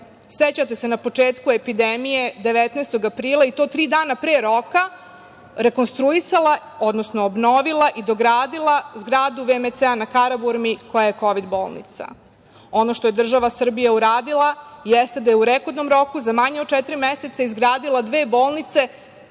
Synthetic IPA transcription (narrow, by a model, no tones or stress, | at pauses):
set͡ɕat̪e̞se̞napo̞t͡ʂeːt̪kue̞pid̪emije̞d̪e̞ʋet̪naːst̪o̞ɡapɾiːlˠait̪o̞ːt̪ɾiːd̪aːnapɾeːɾo̞ka | ɾe̞ko̞nst̪ɾuisalˠa | o̞d̪nosno̞ːbno̞ʋilˠaʔid̪o̞ɡɾaːd̪ilˠazɡɾaːd̪uʋemet̪seanakaɾabuɾmiko̞jaje̞ko̞ʋid̪bo̞ːlˠnḭt̪sa̰ | o̞no̞ʃt̪o̞jed̪r̩ʒaʋasr̩bijauɾaːd̪ilˠajɛst̪ed̪ajeuɾeko̞d̪no̞mɾo̞kuzamaɲeot̪̚t͡ʃɛt̪iɾimese̞t̪saizɡɾaːd̪ilad̪ʋeːbo̞ːlˠnit̪se̞